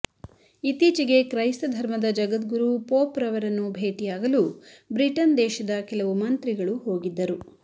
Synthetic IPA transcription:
it̪iːt͡ʃiɡe̞kɾɐjst̪ɐd̪ʱɐɾmɐd̪ɐd͡ʒɐɡɐt̪ɡuɾupoːpɾɐʋɐɾɐnːubʱeːʈijaːɡɐlubɾiʈɐnd̪ɛːʃɐd̪ɐkɛlɐʋumɐnt̪ɾiɡɐɭuho̞ːɡid̪ːɐɾu

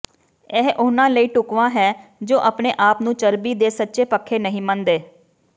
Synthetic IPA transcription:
ɛːɦʔʊnãːləiːʈʊkʋãːɦɛːd͡ʒoːʔəpneːʔaːpnũːt͡ʃəɾbiːd̪eːsətːʃeːpəkʰːeːnəɦĩːmənd̪eː

